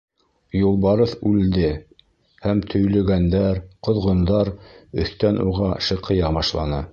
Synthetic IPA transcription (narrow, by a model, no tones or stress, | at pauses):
julˠβɑɾɤθʉld̪ɘ | hæmt̪ʰɵ̆jlɵ̆ɡænd̪æɾqŏðʁŏnd̪ɑɾɵ̰̆θt̪ænʔuʁɑʃɤ̆qʰɤ̆jɑβɑʃlˠɑ̰nɤ